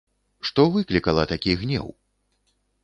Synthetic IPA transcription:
ʂt̪ɔvɨklʲikɐlˠɐt̪akʲiɣnʲɛ̰w

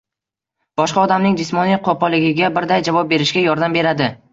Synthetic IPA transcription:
b̥ɒʃqɑɒd̪amnɪŋd͡ʒɪsmɒnijqʰopɒlɪɡʲɪɡʲabɪɾd̪ajd͡ʒavɒp̚be̞ɾɪʃɡʲajɒɾd̪ambe̞ɾad̪ɪ

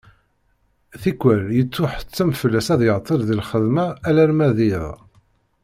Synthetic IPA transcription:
θikʷːæljət͡sːʊħt͡sːæmfəlːæsæðjəʁt̪ˤːəɾðilχəðmæːlæɾmæðið

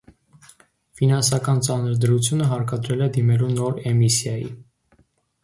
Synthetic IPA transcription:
finɑnsɑkɑnt͡sɑnəɾd̪əɾut͡sʰjunəɦɑɾkɑd̪ɾɛlɛd̪imɛlunɔɾɛmisjɑjḭ

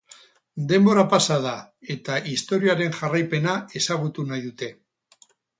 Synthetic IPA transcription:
d̪e̞mbo̞ɾapasað̞a | e̞t̪aʔist̪o̞ɾiaɾe̞nʝarajpe̞nae̞saɣ̞ut̪unajðut̪e̞

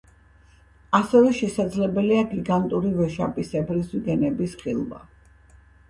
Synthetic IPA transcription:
asɛvɛʃɛsad̪zlɛbɛliaɡiɡant̪ʼuɾivɛʃa̰pʼisɛbɾisvɡɛnɛbisχilˠba̰

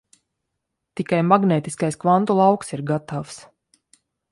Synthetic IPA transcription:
t̪ikajmaɡneːt̪iskajskvant̪ulˠawksiɾɡat̪avs

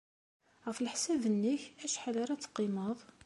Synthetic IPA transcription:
ʁəfəlħsævənːiçæʃħalaɾˤæt͡sːqːiməðˤ

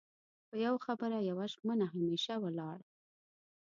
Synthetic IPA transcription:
pəjawaxabəɾajawaʒmənaɦameʃawəlɑɽ

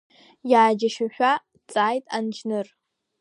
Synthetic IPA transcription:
jaːd͡ʒaʃʊʃᶣʷa | t͡sʼaːjtʼant͡ʃʰnɨr

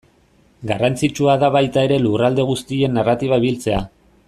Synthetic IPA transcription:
ɡarant͡sit͡ʃuaðaβajt̪ae̞ɾe̞lurald̪e̞ɣ̞ust̪ie̞nːarat̪iβaiβilt͡se̞a

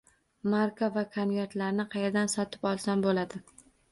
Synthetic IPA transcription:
maɾkavakʰonveɾt̪laɾnɪqʰɑjeɾd̪ansɒt̪ʰɪ̥pɒlˠsanbolad̪ɪ

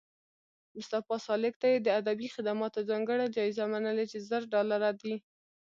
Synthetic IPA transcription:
mʊst̪afɑsɑlɪk̚t̪ajed̪əad̪abixɪd̪amɑt̪ozɑŋɡəɽad͡ʒɑizamanəlet͡ʃezəɾɖɑlaɾad̪i

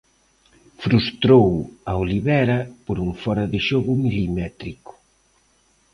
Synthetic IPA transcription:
fɾust̪ɾowɐoliβɛɾɐpoɾuŋfɔɾɐðɪʃoɣʊmilimɛt̪ɾikʊ̥

